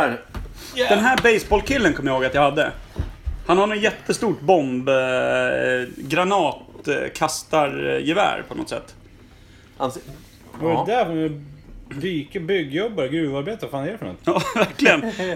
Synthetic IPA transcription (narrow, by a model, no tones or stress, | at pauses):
d̪ɛnɦæːɾbɛjsbɔlkʰɪlːənkʰɔmːjahoːɡat̪jahad̪ːə | hanhaɳɛnjɛt̪ʰːəst̪uːʈbɔmb | ɡɾanɑːt̪kʰast̪aɾjɛvæ̰ːɾpʰɔnɔ̰t̪sɛ̰t̪ː | vaɾɛd̪æɾfɔnɛb̪yːkəbʏɡːjɔbːaɾɡɾʉːvaɾbeːt̪aɾfanjeːɾfɔnɔ̰t̪ɑːvæɾklɪɡən